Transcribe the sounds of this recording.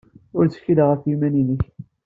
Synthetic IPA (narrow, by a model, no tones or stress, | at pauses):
ʊɾt͡sə̥çiləʁəfjimæninəç